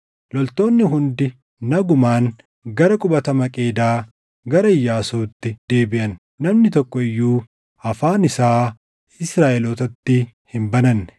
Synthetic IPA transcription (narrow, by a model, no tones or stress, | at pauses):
lɔlt̪o̞ːnːɪɦʊnd̪ɪ | nɐɡʊmaːn | ɡɐɾɐkʼʊbɐt̪ɐmɐkʼe̞ːd̪aː | ɡɐɾɐɪjːaːsuːt̪ːɪd̪̥e̞ːbɪʔɐnː | ɐmnɪt̪ɔkːɔɪjːuː | ɐfaːnɪsaː | ɪsɾaːʔɛloːt̪ɐt̪ːɪ | hɪmbɐnɐnːɛ